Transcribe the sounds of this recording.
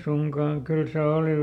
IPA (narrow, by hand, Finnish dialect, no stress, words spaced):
suŋkɑːŋ kyl se oˑli